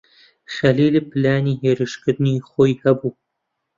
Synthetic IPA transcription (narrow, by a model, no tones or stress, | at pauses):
χɐliːlɨpʰɨlaːniːɦeɾɨʃkɨd̪niːχʷojhɐbuː